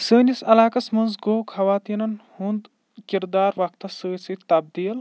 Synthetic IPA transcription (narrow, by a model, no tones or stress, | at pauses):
səːnisɐlaːkɐsmɐnzɡoːkhɐʋaːt̪iːnɐnhund̪ | kiɾd̪aːɾʋɐk̚t̪ɐsəːsit̪ɐb̚d̪iːl